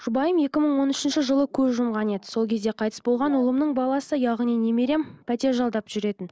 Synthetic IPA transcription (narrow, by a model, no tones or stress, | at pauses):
ʒ̥ʊbɑjəmje̞kʲɪməɴwo̞nʏʃɪnʃɪʒəlˠəkʲʰɵzʒʊmʁɑne̞d̪ɪ̥so̞lˠkʲʰe̞zd̪eqʰɑjt̪ə̥sbo̞lˠʁɑnʊlˠəmnəɴbɑlˠɑsəjɑʁnijne̞meɾe̞mpʰæt̪e̞ɾʒɑlˠd̪ɑpʒ̥ʏɾe̞t̪ɪn